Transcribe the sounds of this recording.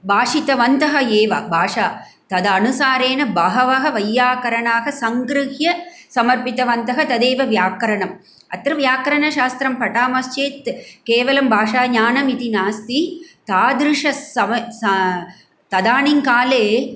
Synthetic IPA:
bʱaːʂit̪ɐʋɐnt̪ɐɦɐeːʋɐ̰bʱaːʂaː | t̪ɐd̪ɐɐnusaːɾeːnɐbɐɦɐʋɐɦɐʋɐjːaːkɐɾɐɳaːɦɐsɐŋkɾɪɦjɐ | sɐmɐɾpit̪ɐʋɐnt̪ɐɦɐt̪ɐd̪eːʋɐʋjaːkɐɾɐɳɐm | ɐt̪ɾɐʋjaːkɾɐɳɐʃaːst̪ɾɐmpɐʈaːmɐst͡ʃeːt̪keːʋɐlɐmbʱaːʂaːɲaːnɐmit̪inaːst̪it̪aːd̪ɾɪʂɐɐs | t̪ɐd̪aːniŋkaːleː

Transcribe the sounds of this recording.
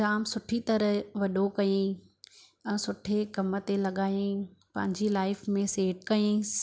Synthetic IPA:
aːmsʊʈʰit̪ɐɾəʋɐɗokɐĩ | ɛ̃ːsʊʈʰekɐmə̆t̪elɐɠaːjĩpɐ̃ɦɪ̃ɲd͡ʑilaːɪfmẽseːʈ̚kɐĩ

